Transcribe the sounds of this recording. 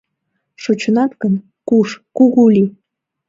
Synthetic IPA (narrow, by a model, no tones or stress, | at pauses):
ʂot͡ɕŏnɑt̪kɤn | kuʂkuɣulʲi